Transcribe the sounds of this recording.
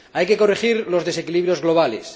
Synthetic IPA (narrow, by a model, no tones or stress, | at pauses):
ajke̞ko̞rixiɾlo̞zðe̞se̞kiliβɾjo̞zɣlo̞β̞ale̞s